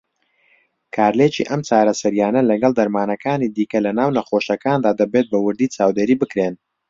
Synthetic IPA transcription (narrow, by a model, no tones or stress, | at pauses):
kʰaːɾlet͡ʃḭːʔɐmt͡ʃaːɾɐsɐɾjaːnɐlɐɡɐlˠd̪ɐɾmaːnɐkʰaːnid̪iːkɐlɐnaːwnɐχoʃɐkaːnd̪aːd̪ɐbet̪̚bɐwʊɾd̪iːt͡ʃaːwd̪eːɾiːbɨkɾen